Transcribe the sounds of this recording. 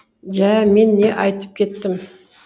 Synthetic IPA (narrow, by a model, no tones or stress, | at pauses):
ʒæme̞nːe̞ʔɑjt̪ə̥p̚kʲʰe̞t̪ːɪm